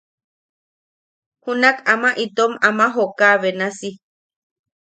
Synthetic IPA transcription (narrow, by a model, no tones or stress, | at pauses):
hunakamaʔit̪omamaɦokaβenasi